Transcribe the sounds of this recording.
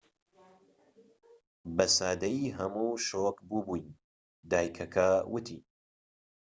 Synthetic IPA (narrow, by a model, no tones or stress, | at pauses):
bɐsaːd̪ɐjiɦɐmuʃokbubujn | d̪aːjkʰɐkʰɐwɨt̪ʰḭ